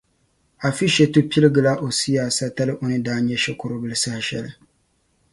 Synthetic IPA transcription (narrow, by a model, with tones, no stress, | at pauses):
a˨fi˦ʃɛ˨tu˦pi˦lɨ˦ɡɨ˨la˦ʔo˨si˦jaː˨sa˦ta˦lɨ˦ʔo˨nɨ˦daː˦nɲɛ˦ʃɛ˦kʊ˦ɾʊ˦bɨ˦lɨ˦sa˦hɪ˨ʃɛ̰˦˨lɨ˨